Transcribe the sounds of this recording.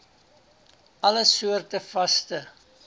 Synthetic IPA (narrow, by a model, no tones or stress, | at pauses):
ɐləsuərtəfɐstə